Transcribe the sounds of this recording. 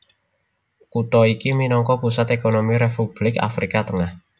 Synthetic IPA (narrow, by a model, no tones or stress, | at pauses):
kut̪ɔikiminɔŋkɔpusat̪ekonomiɾepub̥lɪka̰fɾikat̪əŋah